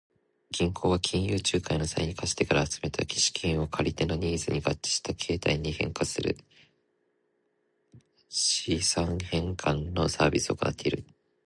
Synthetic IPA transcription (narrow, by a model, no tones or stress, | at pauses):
ɡʲĩŋkʰo̞ːβakʲʰĩɰ̃jɯːt͡ɕɨːkaino̞saiɲ̟ikaɕi̥t̪e̞kaɾaːt͡sɨme̞t̪ʰa̰kʲi̥ɕi̥kʲʰĩɰ̃o̞kʰaɾʲit̪e̞no̞ɲ̟ʲiːzɨɲ̟iɡat͡ɕːi̥ɕi̥t̪akʰe̞ːt̪aiɲ̟ihẽ̞̰ŋkasɨɾɯ̟̰ | ɕisãɰhẽ̞ŋkʰãnno̞saːbʲisɨo̞kona̰t̪ːe̞iɾɯ̟̰